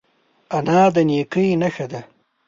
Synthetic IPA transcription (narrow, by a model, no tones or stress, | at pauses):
anɑːd̪anekəjnaxad̪a